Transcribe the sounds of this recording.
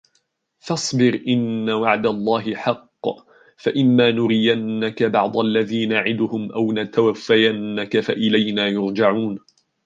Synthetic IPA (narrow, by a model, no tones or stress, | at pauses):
fɑsˤbɪɾʔɪnːawaʕd̪alˤːɑːɦɪħɑqː | faʔɪmːaːnʊɾɪjanːakabɑʕd̪ˤalːaðiːnaʕɪd̪ʊhʊmʔawnat̪awafːajanːakafaʔɪlajnaːjʊɾd͡ʒaʕuːn